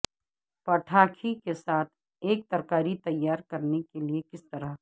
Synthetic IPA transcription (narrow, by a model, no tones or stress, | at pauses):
pɐʈʰaːkʰikesaːt̪ʰ | eːk̚t̪ɐɾkaːɾit̪ɐjːaːɾkɐɾnekeliekɪst̪ɐɾəɦ